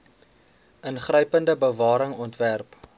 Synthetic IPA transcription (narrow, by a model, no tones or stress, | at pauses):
ʔənχrəjpəndəbəvɑːɾəŋɔntværp